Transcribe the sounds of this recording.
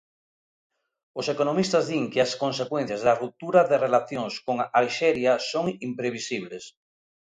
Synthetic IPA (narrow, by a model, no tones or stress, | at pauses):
osekonomist̪azðiŋkeaskonsekwẽn̟θjazðarup̚t̪uɾaðerelaθjoŋskoŋalʃɛɾjasoŋimpɾeβisiβ̞les